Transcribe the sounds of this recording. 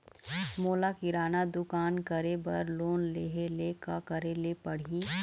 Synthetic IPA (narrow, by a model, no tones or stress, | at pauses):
moːlakɪɾaːnad̪ʊkaːnkɐɾebɐ̰ɾloːnleːɦelekakɐɾelepɐɽ̤i